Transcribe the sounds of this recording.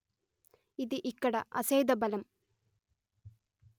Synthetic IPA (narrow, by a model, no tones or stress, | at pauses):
iðɨʔikːɐɽɐʔɐsejd̪ɐbɐlɐm